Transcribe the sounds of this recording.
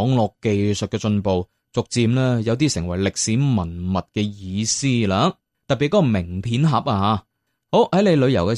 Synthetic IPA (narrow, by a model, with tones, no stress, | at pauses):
ŋlɔː˨kːe˨jsɵ˨t̚kɛː˧t͡ʃɵ˧npo˨˧w | t͡sʊ˨k̚t͡siː˧mlɛː˥jɐ˨˧wt̪iː˥sɪ˨˩ŋwɐ˨˩jlɪ˨k̚siː˨˥mɐ˨˩nmɐ˨t̚kɛː˧jiː˨˧siː˥laː˨˥ | t̪ɐ˨t̚pːi˨˩kɔː˥˧mɪ˨˩ŋpʰiː˨˥nɦɐ˨˥p̚aː˧ɦaː˨˧ | ho˨˥whɐ˨˥jne˨˧jlɵ˨˧ɥjɐ˨˩wkɛ˧